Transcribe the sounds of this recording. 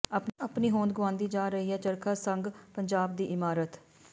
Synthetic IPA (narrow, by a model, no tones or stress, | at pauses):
əpəpniːɦõːnd̪̚ɡʊʋãːnd̪iːd͡ʒaːɾəɦiːɛːt͡ʃəɾkʰaːsəŋɡpəɲd͡ʒaːb̚d̪iːʔɪmaːɾət̪